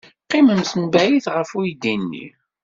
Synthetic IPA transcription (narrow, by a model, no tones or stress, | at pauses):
qːimənsənbæjiθʁəfujd̪inːḭ